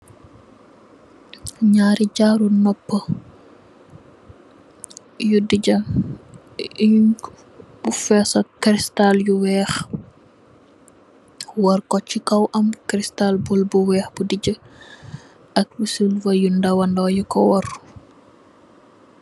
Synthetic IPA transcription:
ɲaːɾiɟaɾunɔpːə | judiɟɐ | b̥ufɛsɐkɾistaljuwɛːx | wɔrkɔt͡ʃːikɐwʔɐmkɾistalbulbuwɛːxbudiɟə | ʔɐk̚wusulvɐjundɐwɐndɔjukɔwɔr

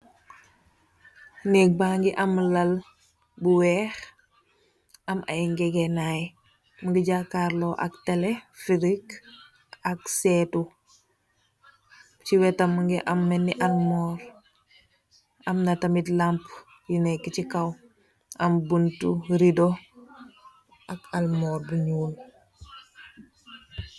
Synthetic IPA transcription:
nɛk̚baːŋɡiʔɐmlɐl | buwɛx | ɐma̰ŋɡɛɡɛnaj | muŋɡiɟakaɾloʔa̰ktelefiɾik | ɐksɛtu | ciwɛtamːuŋɡɛʔamːɛnːiʔalmɔːɾ | ʔɐmnatamitlamp | jinɛkːit͡ʃikaw | ʔɐmbuntuɾido | ʔakalmɔːɾbuɲuːl

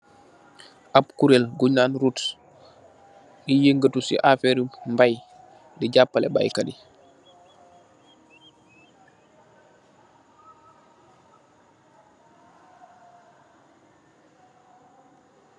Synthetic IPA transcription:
ʔapkuɾelɡuɲaːnɾut | nijeŋɡətusḭʔafeɾimbaj | diɟapːalɛ̰ba̰jkadi

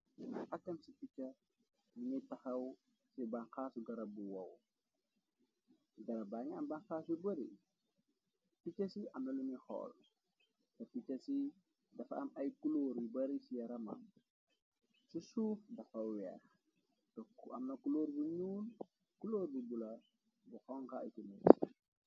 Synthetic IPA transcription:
nɐ̰ʔɐkːɐnsipicːɐ | nuɲitɐxɐw | sibanxaːsuɡɐɾɐbuwɐw | ɡɐɾɐbaːŋɐmbanxaːsubɐɾḭ | picːɐsiʔɐmnɐlunixɔ̰ːl | tɐpit͡ʃːɐsi | dɐfɐ̰mɐjkuloːɾibɐɾisijɐɾɐmɐ̰m | susuːfdɐfɐwɛ̰ːx | tɔɐmnɐkuloːɾbuɲuːl | kuloːɾbubulɐ | buxɔŋkɐɐ̰jkimɛsi

